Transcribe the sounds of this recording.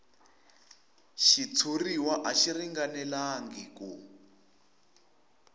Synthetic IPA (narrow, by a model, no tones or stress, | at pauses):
ʃit͡sʰuriwaʔaʃiriŋɡanɛlaŋɡiku